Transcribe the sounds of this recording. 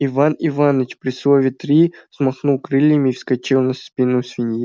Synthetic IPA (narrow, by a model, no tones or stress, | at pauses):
ivanivanət͡ɕpɾʲɪslˠovʲɪt̪ɾʲismɐxnulˠkɾɨlʲjɪmʲɪːfskɐt͡ɕilˠnɐspʲinːʊsvʲɪnʲji